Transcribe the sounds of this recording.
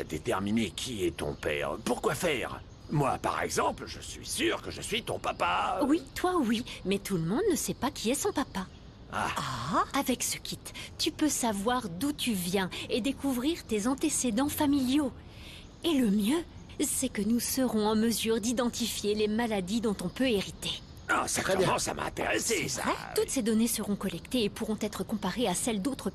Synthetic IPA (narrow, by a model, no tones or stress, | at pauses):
a̰d̪et̪ɛ̰ʁminekʲʰiɛt̪ɔ̰̃pɛ̰ːʁpuʁkwafɛːʁ | mwa̰pa̰ʁɛ̰ɡzɑ̃plʒə̰sɥḭsyʁkəʒəsɥit̪ɔ̃papawit̪wawimɛt̪ulmɔ̃d̪nəsɛpakʰʲiɛsɔ̃papa | a̰aavɛksəkʲit̪ːypøsavwaʁd̪ut̪ʰyvjɛ̃ed̪ekuvʁiʁt̪ezɑ̃t̪esed̪ɑ̃familjo | eləmjø | sɛkənusəʁɔ̃ɑ̃məzyʁd̪id̪ɑ̃t̪ifjelemalad̪id̪ɔ̃t̪ɔ̃pøeʁit̪e | a̰saʁẽsa̰mʔa̰ɛ̰̃t̪ḛʁesesa̰t̪ut̪sed̪ɔnesəʁɔ̃kɔlɛkt̪eːpuʁɔ̃t̪ɛt̪χəkɔ̃paʁeasɛld̪ot̪χə